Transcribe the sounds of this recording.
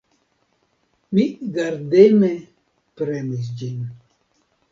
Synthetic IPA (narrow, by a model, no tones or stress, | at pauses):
miɡaɾdemɛ | pɾɛmis̬d͡ʒin